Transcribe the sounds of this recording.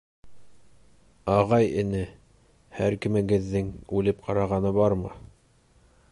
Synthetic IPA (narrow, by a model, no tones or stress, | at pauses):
ɑʁɑjɘ̆nɘ | hæɾkɘ̆mɘ̆ɡɘ̆ðːɘŋʉlɘp̚qʰɑɾɑʁɑnɤβɑɾmɤ̰